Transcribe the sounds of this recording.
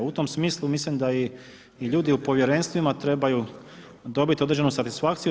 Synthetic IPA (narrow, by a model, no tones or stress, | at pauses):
ut̪o̞msmiːslˠumislimd̪aiː | ʎuːd̪iupo̞ʋje̞ɾe̞nst̪ʋimat̪ɾe̞baju | d̪o̞bit̪io̞d̪ɾed͡ʒe̞nusat̪isfakt̪siju